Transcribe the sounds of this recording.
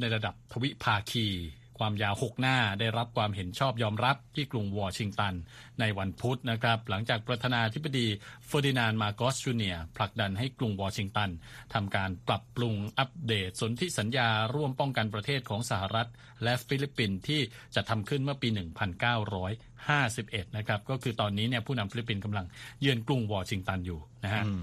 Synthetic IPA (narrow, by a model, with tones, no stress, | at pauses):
na˧jɾa˧da˨˩p̚t̪ʰa˧wi˦˥ʔpʰaː˧kʰiː˧ | kʰwaː˧mjaː˧who˨˩k̚naː˥˩daː˥˩jɾa˦˥p̚kʰwaː˧mɦe˩˦nt͡ɕʰɔː˥˩p̚jɔː˧mɾa˦˥p̚t̪ʰiː˥˩klu˧ŋwɔː˧t͡ɕʰi˧ŋt̪a˧nː | a˧jwa˧npʰu˦˥t̪̚na˦˥kʰɾa˦˥p̚la˩˦ŋt͡ɕaː˨˩k̚pɾa˧t̪ʰaː˧naː˧t̪ʰi˦˥ba˧diː˧fɤː˧di˧naː˧nmaː˧kɔː˦˥st͡ɕuː˧ni˧˩ɐpʰla˨˩k̚da˧nɦa˥˩jklu˧ŋwɔː˧t͡ɕʰi˧ŋt̪a˧n | t̪ʰa˧mkaː˧npɾa˨˩pːɾu˧ŋʔa˦˥p̚deː˨˩t̪̚so˨˩˦nt̪ʰi˦˥sa˩˦njaː˧ɾu˥˩əmpɔ˥˩ŋka˧npɾa˧t̪ʰeː˥˩t̪̚kʰɔː˩˦ŋsa˧˩ha˨ɾa˦˥t̪̚ | lɛ˦˥ʔfi˦˥li˦˥pːi˧nt̪ʰiː˥˩ | t͡ɕa˨˩ʔt̪ʰːa˧mkʰɯ˥˩nmɯ˥˩əpiː˧nɯ˨˩ŋpʰa˧nkaː˥˩wɾɔː˦˥j | haː˥˩si˨˩p̚ʔe˨˩t̪̚na˦˥kʰɾa˦˥p̚kɔː˥˩kʰɯː˧t̪ɔː˧nːiː˦˥ni˥˩ɐpʰuː˥˩na˧mfi˧˦li˦˥pːi˧nka˧mla˧ŋjɯ˧ənklu˧ŋwɔː˧t͡ɕʰi˧ŋt̪a˧njuː˨˩na˦˥kʰɦa˦˥